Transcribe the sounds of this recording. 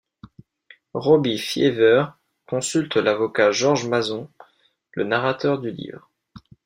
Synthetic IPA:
ʁɔbĩfjḛvœʁ | kɔ̃sylt̪lavɔkaʒɔʁʒmazɔ̃ | lə̰naʁat̪œʁd̪ylḭvʁ

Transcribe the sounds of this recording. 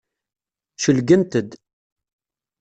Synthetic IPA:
ʃəlɡənt̪əd̪

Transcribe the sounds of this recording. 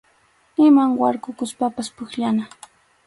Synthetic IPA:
ɪmaŋwaɾkʊkʊspapaspʊkʎana

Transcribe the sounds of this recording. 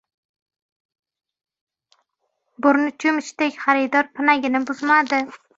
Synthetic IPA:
bʊɾnɪt͡ʃʰʊmɪʃt̪ekʲχaɾɪd̪ɒɾpʰɪnaɡʲɪnɪbʊzmad̪ɪ

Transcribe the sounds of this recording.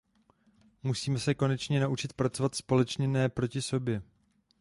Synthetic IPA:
musiːmɛsɛko̞nɛt͡ʃɲɛnaʔut͡ʃɪt̪̚pɾat͡so̞vat̪spo̞lɛt͡ʃɲɛnɛːpɾo̞cɪso̞bjɛ

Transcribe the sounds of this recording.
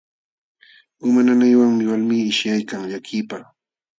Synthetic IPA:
ʊmananajwaŋmɪwalmiːɪʃjajkaŋʎakʰɪpa

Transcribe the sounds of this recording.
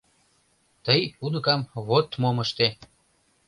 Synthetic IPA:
t̪əjunəkɑmβot̪moməʃt̪e

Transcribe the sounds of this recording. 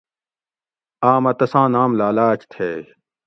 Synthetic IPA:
aːmɐt̪ɐsãːnãːmlaːlaːt͡ɕt̪ʰeː

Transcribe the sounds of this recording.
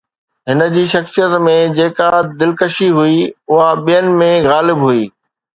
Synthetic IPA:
ɦɪnə̆d͡ʑiːʃɐxsijət̪mẽd͡ʑeːkad̪ɪlkəʃiɦuiʊɦaɓijənɪ̆mẽɣaːlɪbɦʊiː

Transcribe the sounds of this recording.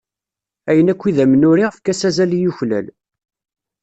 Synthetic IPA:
æjənækʷːiðæmənʊɾiʁəfkæsæzælijuçlæ̰l

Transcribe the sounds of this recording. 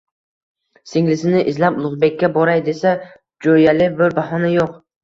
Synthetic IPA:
sɪŋlɪsɪnɪʔɪzlaplˠʊʁbe̞kʲːabɒɾajd̪e̞sa | d͡ʒojalɪbɪɾbaɦɒnajoq

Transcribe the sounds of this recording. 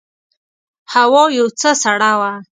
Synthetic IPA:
hawojut͡sʰəsaɽawa

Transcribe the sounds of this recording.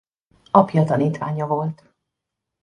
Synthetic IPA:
ɒpjɒt̪ɒniːt̪ʋaːɲɒvo̞lt̪

